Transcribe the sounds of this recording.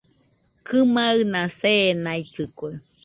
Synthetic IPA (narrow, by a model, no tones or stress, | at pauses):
kʰɨmaɨnãsenait͡ʃɨkue